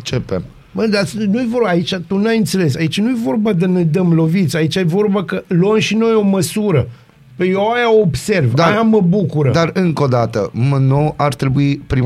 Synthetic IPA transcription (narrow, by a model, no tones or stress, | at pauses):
t͡ʃepḛm | məd̪asnujevo̞rbaːit͡ʃat̪unajɨnt̪se̞le̞s̬ait͡ʃanuje̞vo̞rbad̪ened̪əmlo̞vit̪sʲait͡ʃaje̞vo̞rbakəluəmʃino̞jo̞məsuɾə | pejoajaoːbse̞rvd̪ajaməbukuɾəd̪arɨŋko̞d̪at̪ə̰mənoʔart̪ɾe̞buipɾi